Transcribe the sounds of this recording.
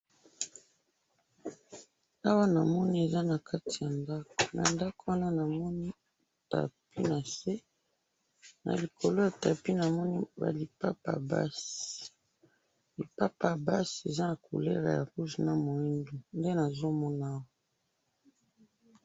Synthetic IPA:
a˦wa˦na˨mɔ˦ni˦e˨za˦na˨ka˦tʰi˨ja˨nda˦ko̥˨na̰˨nda˦ko˦wa˦na˦na˨mɔ˦ni˦ | ta̰˨pi˦na˨se˦ | na̰˨li˨ko˨lo˦ja˨ta˨pi˦na˨mɔ˦ni˦ba̰˨li˨pa˦pa̰˨ba̰˦s | li˨pa˦pa˨ba˦se˨za˦na˨kṵ˨le˦la̰˨ja̰˨ʁu˦ʒi˨na˦mo˨i˦ndu˨nde˦na˨zo˦mɔ˦naː˦wa˦

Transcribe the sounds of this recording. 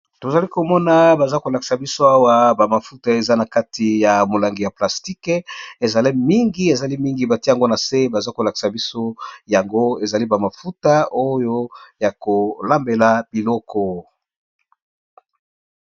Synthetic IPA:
to˨za˨li˦ko˨mɔ˦na˦ba˨za˦ko˨la˨ki̥˨sa˨bi˦so˦a˦wa˦ba˨ma˨fu˦ta˦e˨za˦na˨ka˦tʰi˨ja˨mo˨la˨ŋɡi˨ja˨pla˨sti˦ke˨za˨li˦mi˦ŋɡi˦e˨za˨li˦mi˦ŋɡi˨ba˨ti˦a˨ɡo˦na˨se˦ba˨za˦ko˨la˨ki̥˨sa˨bi˦so˦ja˨ŋɡo˦e˨za˨li˦ba˨ma˨fu˦ta˦o˦jo˦ja˨ko˨la˦mbe˨la˨b̥i˨lɔ˦kʰɔ˦

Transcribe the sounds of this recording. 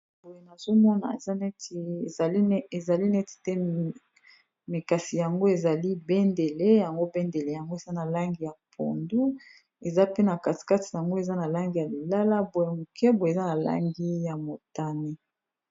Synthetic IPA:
bo˨je˨na˨z̥o˦mɔ˦na̰˨ḛ˨za˦nɛ˦te˨za˨li˦nɛ˦ti̥˨tɛ˦ | me˨ka˨si˨ja˨ŋɡo˦e˨za˨li˦bɛ˦nde˨le˦ja˨ŋɡo˦bɛ˦nde˨le˨ja˨ŋɡo˦e˨za˦na˨la˦ŋɡi˨ja˨pʰo̰˨ndu˦ | e˨za˦pe˦na˨ka˨ti̥˨ka˦ti̥˨a˨ŋɡo˦e˨za˦na˨la˦ŋɡi˨ja˨li˨la˦la˦bo˨je˨mu˨kʰɛ˦bo˨e˨za˦na˨la̰˦ŋɡi˦ja˨mo˨ta˨ni˦

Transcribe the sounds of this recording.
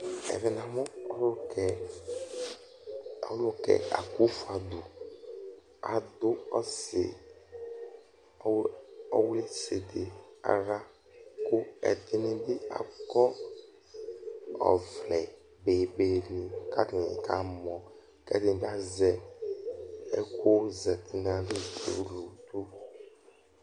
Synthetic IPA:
ɛ̰˨vɛ˨n˨ã˨mʊ˦ɔ˦lkɛ˨ | ɔ˦lʊ˦kɛ̰˨a̰˨ku˦fu˨a˨dʊ˨ | a˨dʊ˦ɔ˦sɪ̰˨˦ | ɔ˦we˦se˨dɪ˨a̰˨ɾa˦ | kʊ˦ɛ̰˨t̪ɪ˦nɪ̃˦dɪ˦a̰˨kɔ˦ | ɔ̰˨vlɛ˨ | be˨be˨˦nĩ˨ka˦tɪ˨nɪ̰˨kʰa˦mɔ̃˨ | kɛ˦dɪ˦˨da˦zɛ˨ | ɛ˦ko˦zɛ˨t̪ɪ˨nã˨lɪ˦to̰˨lu˨t̪u˦

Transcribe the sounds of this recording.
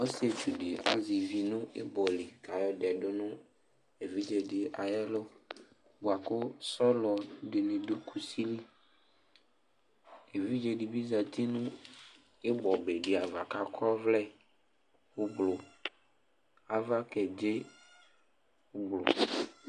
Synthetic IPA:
wo˦si˦e˨t͡ʃu˨ɖe˨ʔa̰˨zi˨vi˨nũ˦ḛ˦bɔ˨li˨ka˨jɔ˦ɖɛ˨ɖo˦nũ˦ | e˨vi˦d͡ʒe˨ɖe˨ʔa˨jɛ˦lo˦ | bo˨a˨ko˦sɔ˦lɔ˨ɖe˨nẽ˨ɖo˦kʰu˨si˦li˦ | e˨vi˦d͡ʒe˨ɖi˨bi˦za˨t̪i˦nũ˦ | e˦bɔ˨be˨ɖi˨a˨va˨ka˦kʰɔ˦vlɛ˦ | wo˦blo˨ | a˨va˦kɛ˨d͡ʒe˦ | wo˦blo̰˨

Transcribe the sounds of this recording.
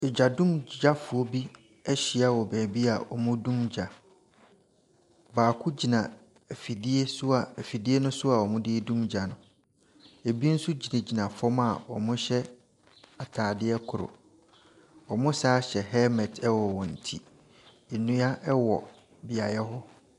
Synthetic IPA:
ɪ˨d͡ʑa˨dũ˦md͡ʑa˦fʊ˨ɔ˦bi˦ | ɛ˦ɕi˨a˦wɔ˨bæː˨bi˦a˨ʔɔ̰˨mʊ̃˦dũ˦md͡ʑa˨ | baː˨kʰʊ˦d͡ʑi˨nã˨ | æ˨fi˨di˦e˦sʊ˦a˨æ˨fi˨di˦e˦nʊ̃˦sʊ˦a˨ɔ˨mʊ̃˦dɪ˦dũ˦md͡ʑa˨nʊ̃˨ | e˨bi˦n̩˦su˦d͡ʑi˨nẽ˨d͡ʑi˨nã˨fɔ˦ma˨wɔ̰˨mʊ̃˦ɕɛ˦ | a˨tʰaː˨dɪ˦ɛ˦kʰʊ˨ɾʊ̰˨ | ɔ˨mʊ̃˦saː˦ɕɛ˨ɦɛ˦mɛ̃˨tʰɛ˦wɔ˨wɔ˨n̩˨tʰi˦ | e˨nũ˦a˦ʔwɔ̰˨ | bɪ˨a˨jɛ˦ɦʊ˦

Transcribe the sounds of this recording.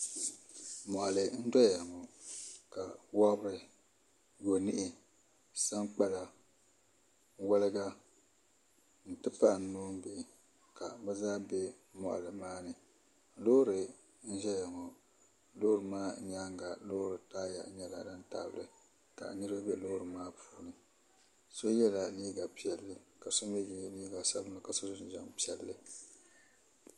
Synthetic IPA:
mɔ˨ʔa˨lɨ˨˦n̩˦dɔ˦ja˨ŋɔ˨ka˨wɔ˦bɾɨ˨ | jo˨ni˦ʔɪ˦ | sa˦ŋk͡pa˦la˨ | wa˦lɨ˦ɡa˦ | n̩˨tɨ˦pa˦ʔnː˨oː˦m˦bi˦˨ | ka˨bɛ˦zaː˦bɛ˦ | mɔ̰˨ʔa̰˨lɨ˨maː˦nɨ˨ | lo˦ɾɨ˨ | n̩˦ʒɛ˦ja˨ŋɔ˨ | lo˦ɾɨ˨maː˦ɲa˦ŋɡa˨lo˦ɾɨ˨taː˦ja̰˨ʔɲɛ˦la˨da˦n˦ta̰˦˨bɨ̰˨ɾɨ˨ | ka̰˨nɨ˦ɾɨ˦ba˦bɛ˦˨lo˦ɾɨ˨maː˦pʰu̥ː˦nɨ˨ | so˦jɛ˦la˨liː˦ɡa˨pi˨˦ɛ˨lːɨ˦ka˨so˦m˦ɛ˦ji˨liː˦ɡa˨sa˦lɨ˦na˨ka˨so˦zn̩˦ʒɛ˨ŋ˨pi˦ɛ˨lːɨ˦

